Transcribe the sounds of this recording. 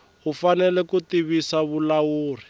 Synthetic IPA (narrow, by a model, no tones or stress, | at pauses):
ɦufanɛlɛkut̪iβisaβulawuːr̤i